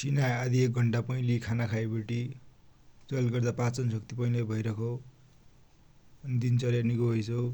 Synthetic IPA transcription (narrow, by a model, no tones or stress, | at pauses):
sinajad̪iek̚ɡʱʌɳʈapʌĩlikʰanakʰajbeʈi | t͡sʌlɡʌrd̪apãt͡sʌnsʌk̚t̪ipʌĩlajbʱʌjɾʌkʰo | ʌnid̪int͡sʌljanikoɦʌjt͡sʰʌw